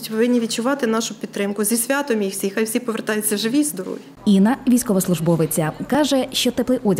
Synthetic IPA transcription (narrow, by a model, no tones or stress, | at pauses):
tʲʋʋɪnʲːiʋʲit̪t͡ʃʊʋɑt̪ɪnɑʃʊpʲid̪t̪ːɾɪmkʊzʲisʲʋʲat̪ɔmijiwsʲixajwsʲipɔʋert̪ɑjʊt͡sʲːɐʒɪʋʲizd̪ɔɾ̰jiinɐʋʲijsʲkɔʋɔslˠʊʒbɔʋɪt͡sʲɐkɑʒɛʃt͡ʃɔt̪ɪplˠɪʔɔdʲ